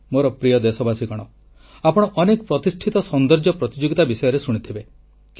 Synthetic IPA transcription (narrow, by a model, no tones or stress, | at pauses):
moɾɔpɾijɔd̪esɔbasikɔɽ̃ɔ | apɔɽ̃ɔʔɔnekɔpɾɔt̪isʈʰit̪ɔsɔnd̪ɔɾd͡ʒɔpɾɔt̪id͡ʒoɡit̪abisɔjɔɾesuɽ̃it̪ʰibe | k